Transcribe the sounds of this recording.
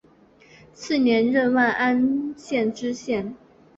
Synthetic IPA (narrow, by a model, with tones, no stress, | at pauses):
t͡sʰɹ̩˥˩njɛ˧˥nɻə˥˧nwa˥˩nʔa˥nɕjɛ˥˩nʈ͡ʂɻ̩˥ɕjɛ˥˩n